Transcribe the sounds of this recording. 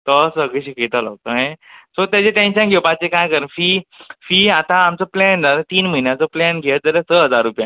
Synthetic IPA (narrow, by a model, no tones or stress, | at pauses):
t̪ɔsəɡiɕikit̪ala̰ɡ̚t̪oɦẽsot̪jat͡seʈẽnɕənɡʱowpãt͡sekajkəɾənfiːfiːat̪ãːmt͡səplɛnatt̪iːnməɦinjat͡sɔplɛnɡʱed͡zələsəɦəd͡zaɾːupjã